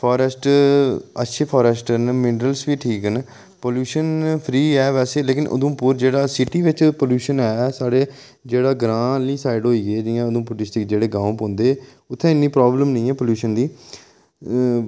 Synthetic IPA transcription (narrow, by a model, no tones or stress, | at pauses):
pʰɔːɾəsʈ | ətːʃʰeːpʰaːɾəsʈənmɪnɾəlsʋiːʈʰiːkən | poːljuːʃənpʰɾiːɛːʋɛːseːleːkɪnʔo̰d̪õːpʊɾd͡ʒeːɽaːsɪʈiːʋɪt͡ʃpoljuːʃənɛːsaːɽeː | d͡ʒeːɽaːɡɾãːliːsaːɪɖɦoːiːɡeːd͡ʒɪjãːod̪õːpʊʈɪsʈɪkd͡ʒeːɽeːɡãːũpõːnd̪eː | ʊt̪ʰːɛ̃ːɪnːiːpɾɔːbləmnəĩːɛːpəljuːʃənd̪iː